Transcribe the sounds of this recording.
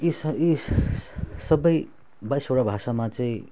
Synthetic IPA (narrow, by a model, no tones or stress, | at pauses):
isi | sʌbʌj | bʌjsoɽabʱasamat͡sʌĩ